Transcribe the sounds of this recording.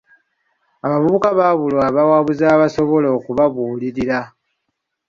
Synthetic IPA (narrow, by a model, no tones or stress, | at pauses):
aβavuβukaβaːβulwaβawaːβuzaːβaso̞βo̞lo̞ːkuβaβuːliɾiɾa